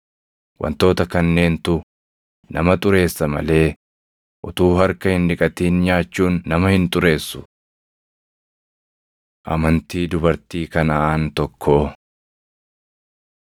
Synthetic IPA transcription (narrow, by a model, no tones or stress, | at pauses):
wʔɐ̰nt̪o̞ːt̪ɐkɐnːe̞ːnt̪ʊ | nɐmɐt̪ʼʊɾe̞ːsːɐmɐ̰le̞ː | ʔʊt̪uːɦɐɾkɐhɪnᶑɪkʼɐt̪iːnɲaːt͡ʃːuːnːɐmɐhɪnt̪ʼʊɾe̞ːsːʊ̥ | ʔɐ̰mɐnt̪iːd̪ʊbɐɾt̪iːkɐnɐʔaːnt̪ɔkʰːoː